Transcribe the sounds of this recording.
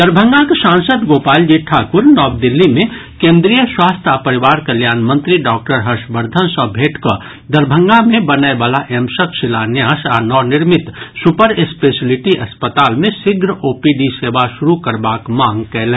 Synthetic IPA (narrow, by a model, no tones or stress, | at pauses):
d̪əɾbʱə̃ŋɡakesãːnsəd̪ɡoːpaːld͡ʒiʈʰaːkʊɾnɔːb̚d̪ɪlːimẽ | kẽːnd̪ɾijəswaːst̪ʰapəɾɪʋaːɾkɐljaːnmɐ̃nt̪ɾiɖɔːk̚ʈəɾɦɐɾʃbəɾd̪ʱənsɔbʱeːʈko | d̪əɾbʱə̃ŋɡamẽbɐnaebaːlaʔɛmsəkʃɪlaːnjaːsaːnɔːnɪɾmɪt̪sʊpəɾespeːsɪlɪʈiʔɐspət̪aːlmẽsɪɡʱɾəoːpiɖiseːʋaʃʊɾukɐɾbaːkmãːŋɡkɛɦlɛ